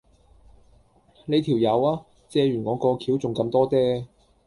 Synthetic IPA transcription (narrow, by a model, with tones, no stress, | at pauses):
le˨˧jt̪ʰiː˨˩wjɐ˨˧waː˥ | t͡sɛː˧ɥyː˨˩nŋɔː˨˧kɔː˧kʰiː˨˥wt͡sʊ˨ŋkɐ˧mt̪ɔː˥tɛː˥